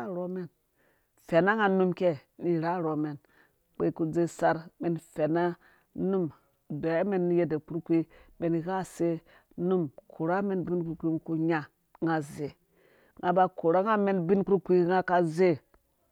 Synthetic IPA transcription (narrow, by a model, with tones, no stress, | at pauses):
a˦ɾo˦me˨n | fe˨na˦ŋa˨nu˦mke˦ni˨ɾa˦ɾo˨me˨n | k͡pe˨˦ku˦d͡ze˦sa˦ɾme˨nfe˨na˦ | nu˦m | do˨ja˦me˦n˦je˦de˨ku˦ɾkʷi˦me˨n˨ɣa˦se˦ | nu˦mkʰo˨ɾa˦me˦nbi˦nku˦ɾkʷi˦ku˦ɲa˨ | ŋa˨ze˨ | ŋɡa˨ba˦ko˨ɾa˦ŋa˦me˦nbi˦nku˦kʷi˦ŋa˦ka˦ze˦˨